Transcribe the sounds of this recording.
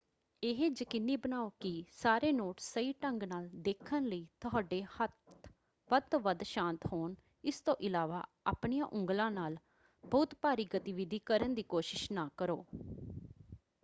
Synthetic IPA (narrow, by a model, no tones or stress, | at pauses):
ɪɦed͡ʒəkɪnːiːbənaːoːkɪsaːɾeːnoːʈsəiːʈəŋɡnaːld̪eːkʰənləiːt̪ʊɦaːɖeːhət̪ | ʋəd̪oʋəd̪ʃãːnt̪hoːn | ɪst̪õːʔɪlaːʋaː | aːpɳijãːʔʊ̃ŋɡlãːnaːl | bəʊt̪paːɾiːɡət̪ɪʋɪd̪iːkəɾənd̪iːkoːʃɪʃnaːkəɾo̰ː